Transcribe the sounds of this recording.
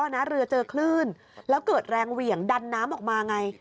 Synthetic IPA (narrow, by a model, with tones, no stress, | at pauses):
a˧na˦˥ɾɯ˧ɐt͡ɕɤː˧kʰlɯː˥˩n | lɛː˦˥wkɤː˨˩t̪̚ɾɛː˧ŋwi˨˩əŋda˧nːaː˦˥mʔɔː˨˩k̚maː˧ʔa˧ŋa˧j